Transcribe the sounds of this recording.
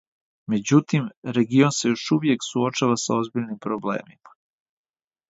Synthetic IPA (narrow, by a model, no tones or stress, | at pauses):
me̞d͡ʑut̪imɾe̞ɡionse̞jo̞ʃuʋje̞ksuo̞t͡ʃaʋasao̞zbiʎnimpɾoblḛːmimḁ